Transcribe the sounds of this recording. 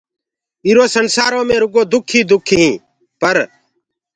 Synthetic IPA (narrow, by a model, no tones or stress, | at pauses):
iːɾoːsənsaːɾõːmẽːɾʊɡõːd̪ʊkʰiːd̪ʊkʰɦĩː | pəɾ